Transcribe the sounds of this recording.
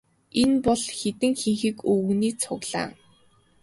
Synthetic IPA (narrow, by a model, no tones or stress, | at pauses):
enpɔɮxet̪ɘ̆ŋxiŋxiːkɵwɣniːt͡sʰʊɣɮa̰ː